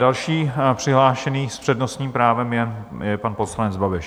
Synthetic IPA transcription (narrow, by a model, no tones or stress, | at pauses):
dalʃiːpr̥ɪɦlaːʃɛniːspr̝̥ɛdnost̪ɲiːmpɾaːvɛmjɛ | jɛpanposlanɛd͡zbabɪʃ